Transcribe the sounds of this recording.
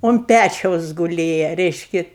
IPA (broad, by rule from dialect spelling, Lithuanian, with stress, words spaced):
ʊnt ˈpʲæt͡ʃʲɛʊs ɡʊˈlʲeːjɛ ˈrʲɛɪʃʲkʲɪ